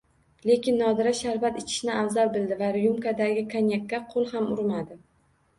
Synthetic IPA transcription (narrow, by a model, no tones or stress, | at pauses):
le̞kʲʰɪnːɒd̪ɪɾaʃaɾvat̪ɪt͡ʃʰɪ̥ʃnɪavzaɾbɪld̪ɪvaɾɪjumkad̪aɡʲɪkʰanjakʲːaqʰolˠhamʊɾmad̪ɪ